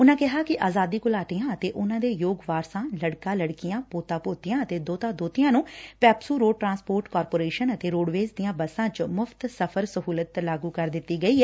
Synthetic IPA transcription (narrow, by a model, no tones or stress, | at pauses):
ʊnãːkɪɦaːkɪʔaːzaːd̪iːkʊlaːʈ̪ijãːət̪eːʔʊnãːd̪eːjoːɡʋaːɾsãːləɽkãːləɽkɪjãːpoːt̪ãːpoːt̪ɪjãːət̪eːd̪oːt̪ãːd̪oːt̪ɪjãːnũːpɛːpsuːɾoːɖ̚ʈɾãːnspoːɾʈkɔːɾpoːɾeːʃənət̪eːɾoːɽʋeːzd̪ijãːbəsãːt͡ʃmʊpʰt̪səpʰəɾsəɦuːlət̪laːɡuːkəɾd̪ɪt̪ːiːɡəiːɦɛː